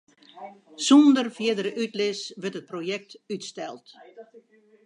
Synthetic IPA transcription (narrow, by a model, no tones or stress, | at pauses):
sɔndərfjɪdəɾəʔytlɪsʋətət̚projɛk̚tytstɛlˠt